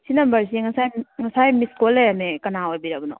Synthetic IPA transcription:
sinɐmbɐɾsiŋɐsajŋɐsajmiskolejamekɐnaojbiɾabɐno̰

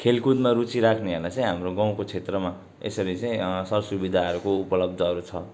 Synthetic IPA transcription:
kʰelkud̪maɾut͡siɾakʰneʌrlat͡sʌj̃ɦamroɡãw̃kot͡sʰet̪rʌma | ḛsʌɾit͡sʌj̃sʌrsubid̪ʱaɦʌɾukoupʌlʌb̚d̪ʱʌʌɾut͡sʰʌ

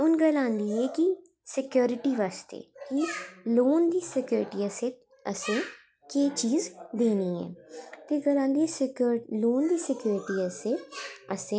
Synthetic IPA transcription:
ʊnɡəlãːnd̪iːɛːkɪ | sɪkjoːɾɪʈiːʋaːst̪ḛːkɪloːnd̪iːsɪkjoːɾɪʈiːəseː | əsẽː | keːt͡ʃiːzd̪eːniːɛ̰ːt̪eːɡəlãːnd̪iːɛːloːnd̪iːsɪkjoːɾɪʈiːəseːəsẽː

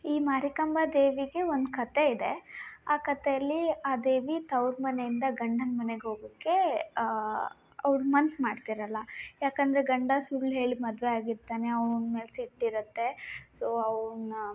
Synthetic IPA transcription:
iːmaːɾikɐmbʱad̪e̞ːʋiɡe̞ond̪kɐt̪e̞id̪e̞aːkɐt̪ejɐlːiaːd̪e̞ːʋit̪ɐwɾmɐne̞jind̪ɐɡɐɳɖɐnmɐneɡeɦo̞ːɡukːe̞ | ɐʋɾmɐnsmaːɖt̪iɾɐlːɐjaːkɐnd̪ɐɾe̞ɡɐɳɖɐsuɭːɦe̞ːɭimɐd̪ʋeaːɡiɾt̪ːaːne̞ɐʋɳme̞ːlesiʈːiɾɐt̪ːe̞soːɐʋn

